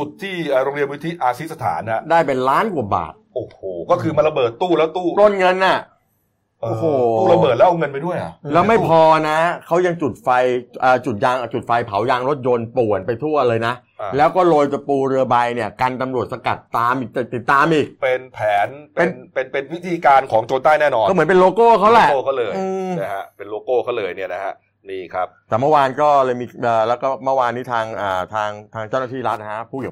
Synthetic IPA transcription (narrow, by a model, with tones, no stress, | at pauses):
t͡ɕu˨˩t̪ʰːiː˥˩ʔəː˨˩ɾo˧ŋɾi˧ənwi˦˥t̪ʰi˦˥ʔaː˧si˦˥sa˧t̪ʰa̰ː˩˦nha˨˩ʔdaː˥˩jpe˧nlaː˦˥nku˨˩əba̰ː˨˩t̪̚ʔoː˨˩hoː˨˩kɔː˥˩kʰɯː˧ma˧nla˧bɤː˨˩t̪ːuː˥˩lɛ˦˥t̪uː˥˩t̪o˥˩nŋɤ˧nʔa˨˩ | ʔo˨˧˩hoː˨˩uː˥˩ɾa˧bɤː˨˩t̪lɛ˦˥ʔa˧ŋɤ˧npa˧jdu˥˩əja̰˨˩lɛː˦˥wma˥˩jpʰɔː˧na˦˥kʰa˦˥wja˧ŋt͡ɕu˨˩t̪̚fa˧jʔəː˨˩t͡ɕu˨˩t̪̚jaː˧ŋ˩t͡ɕu˨˩t̪̚fa˧jpʰa˩˦wjaː˧ŋɾo˦˥t̪̚jo˧npu˨˩ə˩npa˧jt̪ʰu˥˩ɐlɤː˧jna˦˥ʔ | lɛː˦˥wkɔː˥˩loː˧jt͡ɕa˧puː˧ɾɯ˧ɐba˧jni˥˩ɐkaː˧nt̪a˧mɾu˨˩ət̪̚sa˧ka˨˩t̪ːaː˧mʔiː˨˩k̚t͡ɕ̪a˨˩t̪i˨˩t̪ːaː˧mʔiː˨˩k̚pe˧npʰɛː˩˦npe˧nnpe˧npe˧nwi˦˥t̪ʰiː˧kaː˧nkʰɔː˩˦ŋt͡ɕoː˧nt̪aː˥˩jnɛː˥˩nɔː˧ɔː˥˩mɯ˩˦npe˧nloː˧koː˥˩kʰa˦˥wlɛ˨˩˥kʰwlɤː˧jɯː˧na˦˥kʰa˦˥pe˧nloː˧koː˥˩kʰa˥˩wlɤː˧jni˥˩ɐna˦˥kʰa˦˥ | niː˧˩kʰɾa˦˥p̚t̪ɛː˨˩mɯ˥˩waː˧nkɔː˥˩lɤː˧jmiː˧ʔəː˨˩lɛː˦˥wkɔː˥˩mɯ˥˩waː˧nːiː˦˥t̪ʰaː˧ŋʔəː˨˩t̪ʰaː˧ŋt̪ʰaː˧ŋt͡ɕa˥˩naː˥t̪ʰiː˥˩ɾa˦˥t̪̚a˦˥pʰuː˥˩kːaː˨˩